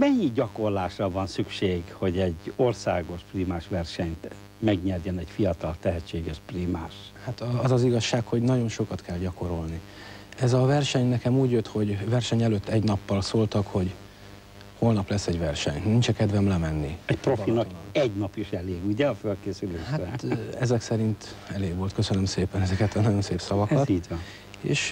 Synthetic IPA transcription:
mɛjiɟɒko̞rlaːʃrɒvɒnsykʃeːɡho̞ɟɛɟorsaːɡo̞ʃpriːmaːʃʋɛrʃɛɲt̪ | mɛɡɲɛrjɛnɛɟfiɒt̪ɒlt̪ɛɦɛt͡ʃːeːɡɛʃpriːmaːʃhat̪ɒzɒziɡɒʃːaːkho̞ɟnɒɟo̞nʃo̞kɒt̪kʰɛlɟɒko̞ɾo̞lni | ɛzɒvɛrʃɛɲnɛkɛmuːɟjøt̪ho̞ɟvɛrʃɛɲɛløt̪ːɛɟnɒpːɒlsoːlt̪ɒkho̞ɟ | ho̞lnɒplɛsːɛɟvɛrʃɛ̰ɲnint͡ʃɛkɛd̪vɛmlɛmɛnːiɛcproinɒk̪ːlɛɟnɒpjiʃjɛleːɡuɟɛɒfølkeːsyleːʃharɛt̪ɛzɛksɛɾint̪ɛleːɡʋolt̪kø̞sønømseːpɛnɛzɛkɛt̪ɒnɒɟo̞nseːpsɒvɒkɒt̪it̪ | ḛːʃ

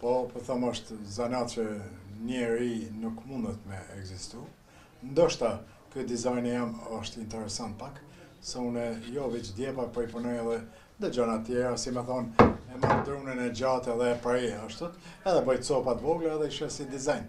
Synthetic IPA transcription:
pɔpɔθɔmɔʃt̪zanat̪t͡ʃəɲɛɾinukmund̪ət̪mɛɛɡzist̪u | nd̪ɔʃt̪a | kyd̪izajnjamɔʃt̪int̪ɛɾɛsant̪̚pak | sɛunɛjɔvit͡ʃd̪jɛpapɔipunɔjɛðɛ | d̪əd͡ʒɔnat̪jɛɾasimɛθɔnɛmand̪ɾunɛnɛd͡ʒat̪ɛðɛpɾaiaʃt̪ɔt̪ɛðɛbəjt̪sɔpat̪vɔɡlaɛðɛiʃɛsid̪izajn

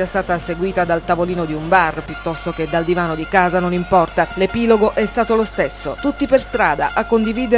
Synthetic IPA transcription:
iɛst̪aːt̪aseɡwiːt̪ad̪alt̪avoliːnod̪iumbarpjut̪ːɔst̪ok̟ed̪ald̪ivaːnod̪ikaːzanonimpɔrt̪alepiːloɡoʔɛst̪aːt̪olost̪esːot̪ut̪ːiperst̪ɾaːd̪a̰ʔakːond̪iviːd̪e

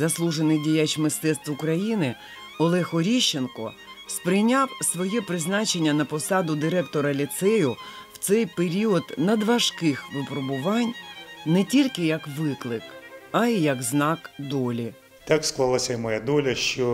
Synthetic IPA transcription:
zɐslˠuʒenɪjdʲijat͡ʃmɪst̪ɛt̪st̪ʊkɾɐjinɪ | ɔlˠɛxɔɾʲiʃːenkɔ̰ | spɾɪjnʲɑwsʋɔjɛpɾɪznɑt͡ʃe̞nʲːɐnɐpɔsɑd̪ʊd̪ɪɾɛkt̪ɔɾɐlʲit̪sɛjʊwt̪sɛjpeɾʲiɔd̪nɐd̪ʋɐʒkɪxʋɪpɾɔbʊʋɑnʲnɛtʲilʲkɪjɐkʋɪklˠɪkɐijɐkznɑkd̪ɔlʲi | t̪ɑksklˠalˠasʲɐimɔjad̪ɔlʲɐʃt͡ʃɔ

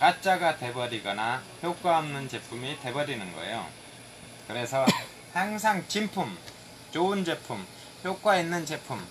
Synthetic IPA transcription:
kat͡ɕ͈aɡate̞bʌɾiɡʌnahjok͈waɦʌmnɯnt͡ɕe̞pʰumite̞bʌɾinɯnɡʌ̰ḛjo̰ | kɯɾe̞sʰʌ | haŋs̬ʰaŋt͡ɕimpʰum | t͡ɕound͡ʑe̞pʰum | çjok͈wainːɯnt͡ɕe̞pʰum

